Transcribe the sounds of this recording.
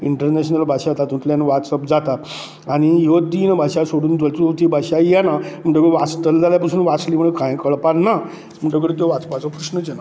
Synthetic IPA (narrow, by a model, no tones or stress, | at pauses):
iɳʈəɾneɕnəlbʱaɕat̪at̪ũt̪lanʋat̪səpd͡zat̪a | aɽ̃ijod̪inəbʱaɕasoɽuːnt̪əlt̪t̪ibʱaɕajanam̤əɳʈəkɽʋast̪əld͡zaljapasuːnʋat͡sliːm̤əɳekãjkəɭpaɾna | m̤əɳʈək̬əɽet̪oʋat͡səpbʱat͡səpkɾuʂnət͡ɕena